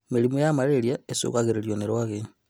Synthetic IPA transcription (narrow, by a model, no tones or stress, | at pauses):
milimujamaleɾjaesṵkaɣeɾeljoneɾwaɣe